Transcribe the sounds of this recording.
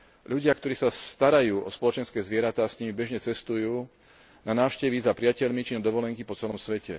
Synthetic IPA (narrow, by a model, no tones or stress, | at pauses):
ʎuɟɪakt̪ɔɾiːsast̪aɾajuːɔspɔlɔt͡ʃɛnskɛːzʋɪɛɾat̪aːsɲimibɛʒɲɛt͡sɛst̪ujuː | nanaːʊʃcɛʋizapɾɪacɛʎmit͡ʃinɔd̪ɔʋɔlɛŋkipɔt͡sɛlɔmsʋɛcɛ̰